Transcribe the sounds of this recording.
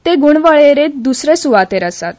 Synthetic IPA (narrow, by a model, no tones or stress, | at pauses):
t̪eɡuɳʋəɭeɾed̪usɾesuʋat̪eɾəsat̪̚